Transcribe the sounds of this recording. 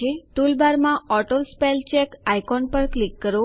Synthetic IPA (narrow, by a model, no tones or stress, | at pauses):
eʈulbaɾmãɔʈolspelt͡ʃekajkɔnpəɾklikːəɾo